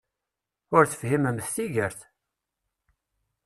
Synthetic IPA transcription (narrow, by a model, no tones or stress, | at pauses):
ʊɾθə̥fhiməmθθiʝəɾθ